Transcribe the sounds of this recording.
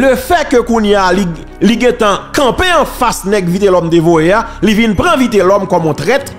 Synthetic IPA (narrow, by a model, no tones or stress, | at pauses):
løfɛkøkũnjali | liɡɛ̃t̪ãkɐ̃peɐ̃fasnɛɡvit̪elɔmt̪evoealivinpʁãvit̪elɔmkɔmɔ̃t̪ʁɛt̪